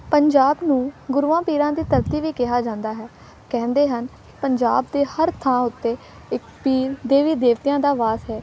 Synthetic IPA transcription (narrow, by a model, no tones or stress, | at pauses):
pəɲd͡ʒaːbnũːɡʊɾuːãːpiːɾãːd̪iːt̪əɾt̪iːʋiːkɪɦaːd͡ʒãːnd̪aːɦɛː | kɛ̃ːnd̪eːɦənkɪ̥pəɲd͡ʒa̰ːb̚d̪eːhəɾt̪ʰãːʊt̪ːeː | ɪkpiːɾd̪eːʋiːd̪eːʋt̪ijãːd̪aːʋaːsɦɛː